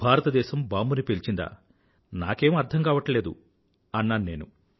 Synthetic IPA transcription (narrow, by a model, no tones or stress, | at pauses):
bʱaːɾɐt̪ɐd̪ɛːʃɐmbaːmbunipelt͡ʃind̪a̰ː | na̰ːke̞ːmɐɾt̪ʰɐŋkaːʋɐʈɐle̞ːd̪ṵ | ɐnːaːnune̞ːnu